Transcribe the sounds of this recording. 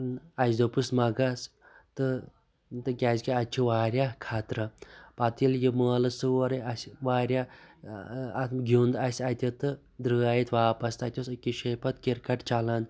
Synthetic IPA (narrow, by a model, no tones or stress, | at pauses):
nɐzd̪opɨsmɐɡas | t̪ɨ | t̪ɨkʲaːzʲkiɐt͡ʃʰuʋaːɾʲjakʰaːt̪ɾɐpɐt̪iljiməːlɐsɨɐɾɐɐsʲʋaːɾja | ɡʱʲund̪ɐsʲɐt̪ʲɐt̪ɨ | d̪ɾɨːajit̪ʰʋaːpɐst̪ɐt̪ʲjosɨkiʃepɐt̪kiɾkɐʈt͡ʃɐlaːn